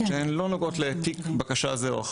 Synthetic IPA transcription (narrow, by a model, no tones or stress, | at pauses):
ʃeenlo̞noɡo̞t̪let̪ikbakaʃazeoa̰